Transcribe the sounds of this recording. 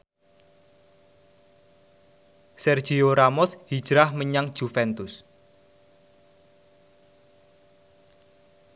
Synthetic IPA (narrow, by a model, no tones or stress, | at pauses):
sɛrd̥ʒ̥ioɾamɔshid̥ʒ̥ɾahməɲaŋd̥ʒ̥ufɛnt̪ʊs